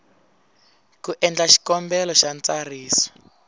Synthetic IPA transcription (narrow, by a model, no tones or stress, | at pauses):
kuʔɛnd͡ɮaʃi̥kɔmbɛlɔʃant͡sariːsɔ̥